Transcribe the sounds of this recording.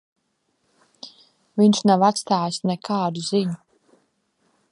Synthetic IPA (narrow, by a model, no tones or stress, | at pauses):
viɲʃnavat̪st̪aːjsnɛkʰaːd̪uziɲu